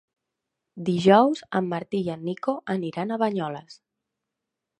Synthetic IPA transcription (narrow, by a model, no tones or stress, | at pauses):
d̪iʒɔwzəmːəɾt̪iənːikoʔəniɾanəβəɲɔləs